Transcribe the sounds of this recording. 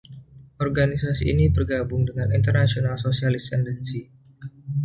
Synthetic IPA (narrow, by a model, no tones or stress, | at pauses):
ʔɔrɡanisasiːnibərɡabʊŋdəŋanint̪ərnasionalsosialɪst̪ɛndɛnsi